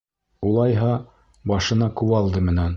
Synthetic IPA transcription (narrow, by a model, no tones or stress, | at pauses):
ulˠɑjɦɑ | bɑʃɤ̆nɑkʉβɑlˠd̪ɤmɘ̆næn